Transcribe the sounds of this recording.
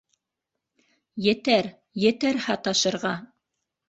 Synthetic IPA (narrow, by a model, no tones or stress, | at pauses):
jɘ̆t̪æɾ | jɘ̆t̪æɾhɑt̪ɑʃɤ̆ɾʁɑ